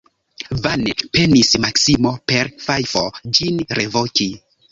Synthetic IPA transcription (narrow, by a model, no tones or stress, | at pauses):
vanepe̞nismaksimo̞pe̞ɾfajfo̞̰d͡ʒinɾevoki